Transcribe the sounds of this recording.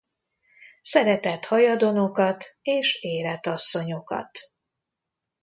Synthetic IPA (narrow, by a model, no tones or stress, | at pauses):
sɛɾɛt̪ɛt̪hɒjɒd̪o̞no̞kɒt̪eːʃeːlɛt̪ɒsːo̞ɲo̞kɒ̰t̪